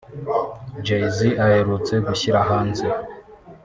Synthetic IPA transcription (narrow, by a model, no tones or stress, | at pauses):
d͡ʒejziʔaheɾut͡se̞ɡuçiɾaɦaːnze